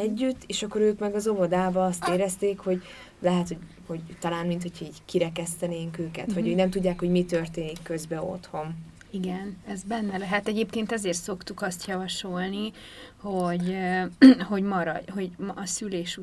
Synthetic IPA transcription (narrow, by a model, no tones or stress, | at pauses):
ɛɟːyt̪ːeːʃɒkːo̞ɾøːkmɛɡɒzo̞vɒd̪aːbɒɒst̪eːɾɛst̪eːkho̞ɟ | lɛɦɛt̪ho̞ɟ | ho̞ɟt̪ɒlaːnmint̪ho̞cʰhɒiːɟkiɾɛkɛst̪ɛneːŋkøːkɛ̰t̪ʋɒøːnɛmt̪uɟːaːkho̞ɟmit̪ørt̪eːnikːøzbɛo̰t̪ho̞n | iɡɛnɛzbɛnːɛlɛɦɛt̪ɛɟeːpkeːnt̪ɛzeːrt̪so̞kt̪ukɒst̪jɒvɒʃo̞lni | ho̞ɟøho̞ɟmɒɾɒ̰dɦo̞ɟmʔːsyleːʃu